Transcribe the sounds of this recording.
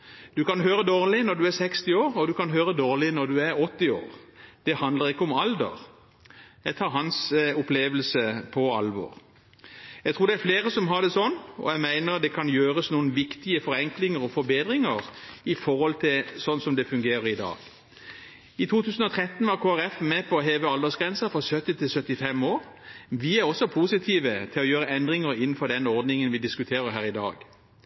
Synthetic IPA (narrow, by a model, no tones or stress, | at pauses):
d̪̥ʉkɑnɦøːɾəd̪oːʁlɪnɔɾd̪ʉæɾsɛkst̪ɪoːʁɔd̪ʉkɑnɦøːɾəd̪oːʁlɪnɔɾd̪ʉæʁɔt̪ːɪo̰ːʁd̪̥ɛhɑnd̪ləʁɪkːəɔmɑld̪ə̰ʁ | jæɪɡt̪ʰɑːɾɦɑnsʊpleːʋəlsəpʰɔɑ̰lʋɔ̰ːʁ | jæɡt̪ʰuːɾd̪ɛæɾfleːʁəsɔmɦɑd̪ɛsɔnːɔ̰jæɪmæɪnəʁd̪ɛkʰɑnjøːʁəsnuːənʋɪkt̪ɪəfɔɾɛŋklɪŋəɾɔfɔɾbeːd̪ʁɪŋəʁɪfɔɾhɔlt̪ʰɪlsɔnːsɔmd̪ɛfʉŋɡeːɾəɾɪd̪ɑ̰ːɡ | ɪt̪ʰuːt̪ʰʉːsn̩ɔt̪ʰʁɛt̪ːn̩ʋɑɾkʰoːæɾɛfmɛpʰɔːɦeːʋəɑld̪ɔsɡʁɛnsəfɔsœt̪ːɪt̪ʰɪlsœt̪ːɪfɛmoːɾʋɪæɾɔsɔpʰuːsɪt̪ʰiːʋət̪ʰɪlɔjøːɾəɛnd̪ʁɪŋəɾɪnːn̩fɔd̪ɛnɔʁɾd̪nɪŋənʋɪd̪ɪskʉt̪ʰeːʁəɾɦæːɾʁɪd̪ɑ̰ːɡ̥